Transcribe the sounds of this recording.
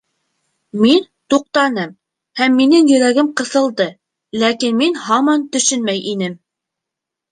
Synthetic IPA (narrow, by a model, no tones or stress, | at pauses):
min | t̪uq̚t̪ɑnɤm | hæmːinɘŋjɵ̆ɾæɡɘmqɤ̆θɤ̆lˠd̪ɤ | lækinminhɑmɑnt̪ɵ̆ʃɵnmæjʔinɘm